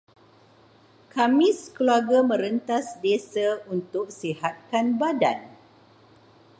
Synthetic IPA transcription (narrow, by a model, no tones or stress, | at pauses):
kamiskluaɡamə̃ɾənt̪asdesaunt̪ʊk̚sihat̪̚kanbada̰n